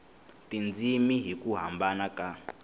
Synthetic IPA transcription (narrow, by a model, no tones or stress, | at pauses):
tʼind͡zimiɦikuɦambanakʼa